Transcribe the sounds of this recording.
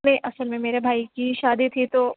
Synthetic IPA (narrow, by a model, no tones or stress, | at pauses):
nẽʔɐsəlmẽmeːɾebʱaːikiʃaːd̪it̪ʰit̪o